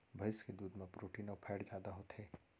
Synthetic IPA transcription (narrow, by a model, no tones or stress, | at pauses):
bʱəɪsked̪uːd̪mẽpɾoːʈiːnɔpʰɛːɽd͡ʒjaːd̪aɦot̪ɦeː